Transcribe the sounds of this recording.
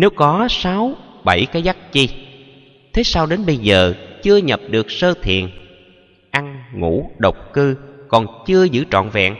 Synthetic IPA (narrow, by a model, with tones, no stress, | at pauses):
ne˨˦wkɔ˨˦saː˨˦wɓə˧˩jkaː˨˦jza˦˥k̚t͡ɕi˧ | t̪ʰe˨˦saː˧wɗe˨˦nɓə˧jzəː˨˩t͡ɕɨ˧əɲə˨˩p̚ɗɨ˨˩ək̚səː˧t̪ʰḭ˨ən | ʔa˧ŋŋṵ˧˥ɗə˨˩wk͡p̚kɨ˧kɔ˨˩nt͡ɕɨ˧əzɨ̰˧˥t͡ɕɔ̰˧˨nvɛ̰˧˨ŋ